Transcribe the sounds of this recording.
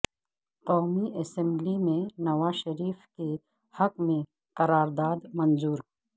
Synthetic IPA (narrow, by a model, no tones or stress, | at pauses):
qɔːmiʔɐsɛ̃mblimẽnɐwaːʃɐɾiːfke | hɐkmẽ | qɐɾaːɾd̪aːd̪mɐ̃nzuːɾ